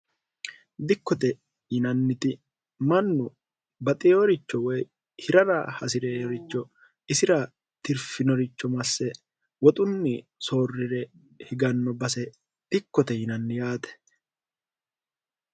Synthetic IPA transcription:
d̪ɪkːɔt̪ɛ | jɪnɐnːɪt̪ɪ | mɐnːʊ | bɐt̪ʼɪjɔɾɪt͡ʃːɔwɔj | hɪɾɐɾɐ̰hɐsɪɾeːjɔɾɪt͡ʃːɔ | ɪsɪɾɐ | t̪ɪɾfɪnɔɾɪt͡ʃːɔmɐsːɛ | wɔt̪ʼʊnːɪso̞ːrːɪɾɛ | hɪɡɐnːɔbɐsɛ | d̪̥ɪkːɔt̪ɛjɪnɐnːɪjaːt̪ɛ̥

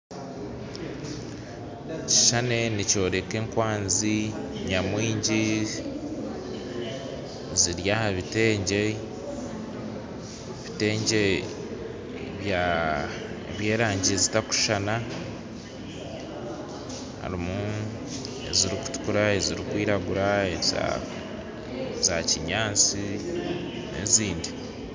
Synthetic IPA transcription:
ci̥ʃane̞nico̞ːɾe̞ke̞ːŋkwaːnziɲamwiːɲɟi | ziɾjahaβite̞ːɲɟe̞ | βite̞ːɲɟe̞ | βja | ḛβje̞ːɾaːɲɟiezitaku̥ʃana | ha̰ɾimu | e̞̰ziɾiku̥tu̥kuɾaeziɾikwiːɾaɡuɾaeza̰ | zaciɲaːnt͡si | nḛziːndi

